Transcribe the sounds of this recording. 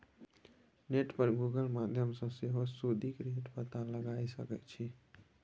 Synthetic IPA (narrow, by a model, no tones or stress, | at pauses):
neʈpəɾɡuɡəlmad̪ʱjəmsə̃seɦosud̪ikɾeʈpət̪aləɡajsə̰kɛ̰t̪t͡ʃʰi